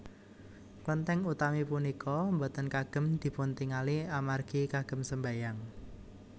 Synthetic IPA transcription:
kwənt̪ɛŋut̪amipunikɔmbɔt̪ənkaɡ̥ə̤md̪̥i̤punt̪iŋaliamarɡ̥ikaɡ̥ə̤msəmbajaŋ

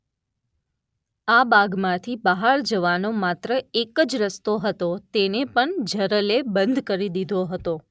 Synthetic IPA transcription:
abaɡmãt̪ʰibəɦaɾd͡ʒəʋanomat̪ɾəekəd͡ʒɾəst̪oɦət̪ot̪enepəɳd͡ʒʱəɾəlebənd̪ʱkəɾid̪id̪ʱoɦət̪o

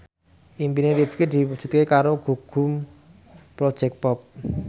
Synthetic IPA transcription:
ʔimpineɾifked̪̥iwud̥ʒ̥ṳt̪̚kekaɾoɡ̥ṳɡ̥ʊ̤m | pɾod̥ʒ̥ɛk̚t̪̚pɔp̚

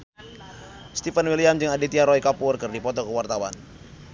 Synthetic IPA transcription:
st̪ifənwiliamd͡ʒɨŋadit̪iaɾɔikapʊrkɨrdipɔt̪ɔkəwart̪awa̰n

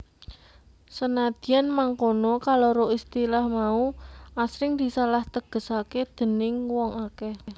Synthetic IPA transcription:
sənad̪̥i̤janmaŋkonɔkaloɾoʔist̪ilahmauasɾɪŋd̪̥i̤salaht̪əɡ̥ə̤saked̪̥ə̤nɪŋwɔŋakɛ

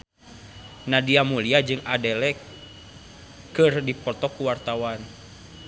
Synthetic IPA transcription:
nadiamuliad͡ʒɨŋadɛlɛk | kɨrdipɔt̪ɔkuwart̪awan

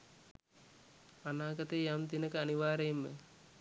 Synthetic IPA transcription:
anaːɡɐt̪ejamt̪inəkəaniʋaːɾejemːə

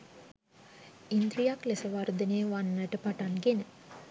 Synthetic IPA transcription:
ind̪ɾijaklesəʋard̪əneːʋanːəʈəpaʈanɡenə

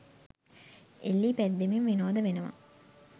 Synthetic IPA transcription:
elːiːpæd̪ːemimʋinoːd̪əʋenəʋɐ̰

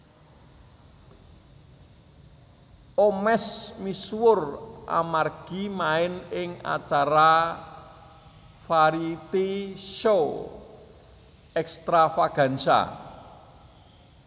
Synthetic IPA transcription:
omɛsmiswʊrʔa̰marɡ̥i̤maɪnɪŋa̰t͡ʃaɾa | faɾit̪iʃo | ɛkst̪ɾafaɡ̥a̤nsa̰

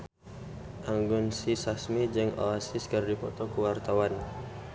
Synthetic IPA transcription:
ʔaŋɡʊnsisasmid͡ʒɨŋɔ̰asɪskərdipɔt̪ɔkuwart̪awan

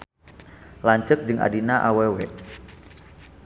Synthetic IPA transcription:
laɲt͡ʃək̚d͡ʒɨŋʔa̰dinaʔawewɛʔ

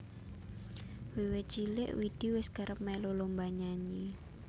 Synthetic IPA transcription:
wiwet͡ʃilɪ̰ʔwid̥i̤wɪsɡ̥aɾəp̚mɛlolombaɲaɲi

